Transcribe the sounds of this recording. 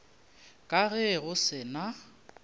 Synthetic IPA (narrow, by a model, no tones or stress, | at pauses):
kʼaɣɛɣʊsɪna